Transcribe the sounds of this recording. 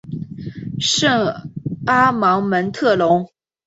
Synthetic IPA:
ʂɤ˥˩ŋa˥mɑ˧˥ŋmə˧˥nt̪ʰɤ˥˩lʊ˧˥ŋ

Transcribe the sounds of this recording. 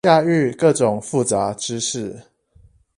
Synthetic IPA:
ja˥˧y˥˨kɤ˥˨ʈ͡ʂʊ˨˩ŋfu˥˨t͡sa˨˦ʈ͡ʂɻ̩˥ʂɻ̩˥˩

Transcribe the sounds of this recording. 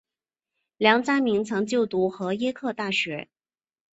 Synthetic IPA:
ljɑ˧˥ŋt͡sa˥mi˧˥ŋt͡sʰɤ˧˥ŋt͡ɕjo˥˩ʊt̪u˧˥xɤ˧˥jɛ˥kʰɤ˥˧t̪a˥˩ɕɥɛ˧˥

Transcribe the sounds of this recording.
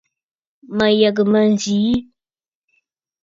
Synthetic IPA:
ma˨ja˨ɡə˨ma˨n˨zi˨˦

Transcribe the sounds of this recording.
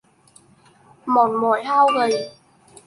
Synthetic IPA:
mɔ˨˩nmɔː˨˩jhaː˧˥wɣə˨˩j

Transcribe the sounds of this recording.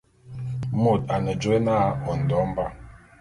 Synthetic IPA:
mo˦˨ta˨nə˨d͡ʒo˦e˦na˦˨ɔ˨n̩˨dɔ˨˦m˦ba˦

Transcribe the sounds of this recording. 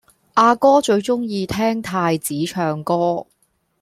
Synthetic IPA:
ʔaː˧kɔː˥t͡ʃɵ˧ɥt͡ʃʊ˥ŋjiː˧t̪ʰɛː˥ŋt̪ʰaː˧jt͡siː˨˥t͡ʃʰœː˧ŋkɔː˥

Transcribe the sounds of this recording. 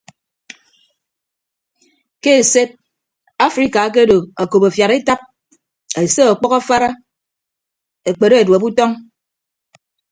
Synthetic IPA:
ke˦e˨se˦t̚ | a˦fɾi˨ka˨˦k̬e˦do˨a˨ko˨pa˨fja˨ɾe˦ta˦p̚ | e˨se˦ɔ˨k͡pɔ˦ka˦fa˦ɾa˦ | e˨k͡pe˨ɾo˦e˨dwe˨bu˦tɔ˦ŋ

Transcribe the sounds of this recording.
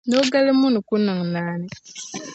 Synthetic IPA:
no˦ɡa˦le˦mu˦nu˨ku˦na˨ŋ˨naː˦ne˦

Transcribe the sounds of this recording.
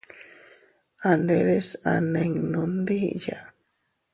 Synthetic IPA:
a˨ne˨ɾe˦sa̰˨ne˨ŋnõ˧nd̪i˦ja̰˨

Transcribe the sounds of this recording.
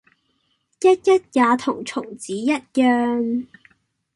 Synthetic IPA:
jɐ˥t̚jɐ˥t̚jaː˨˧t̪ʰʊ˨˩ŋt͡sʰʊ˨˩ŋt͡siː˨˥jɐ˥t̚jœː˧ŋ

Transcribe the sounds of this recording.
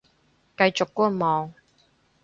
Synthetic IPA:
kɐ˧jt͡sʊ˨kːuː˥mɔː˨˧ŋ

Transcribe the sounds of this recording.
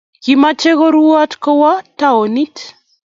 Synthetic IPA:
kimat͡ʃe˦ɣo˦ɾua˦tkɔ˦wa˦tao˨ni˦t

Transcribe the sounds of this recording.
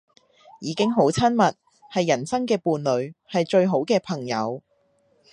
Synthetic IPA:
jiː˨˧˥kɪ˥ŋɦo˨˥wt͡sʰɐ˥nmɐ˨t̚ | hɐ˨jːɐ˨˩nsɐ˥ŋkɛː˧puː˨nlɵ˨˧ɥhɐ˨jt͡ʃɵ˧ɥɦo˨˥wkɛː˧pʰɐ˨˩ŋjɐ˨˧w

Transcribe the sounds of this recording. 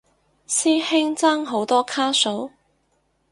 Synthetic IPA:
siː˥hɪ˥ŋt͡saː˥ŋɦo˨˥wt̪ɔː˥kʰaː˥so˨˥w

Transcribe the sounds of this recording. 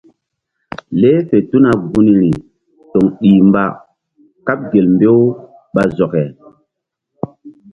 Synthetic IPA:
le˦fe˨tu˦na˨ɡu˦ni˨ɾi˨ | to˨ŋɗi˨mba̰˨ | ka˦p̚ɡe˨lmbe˦w | ɓa˨zɔ˨kɛ˨

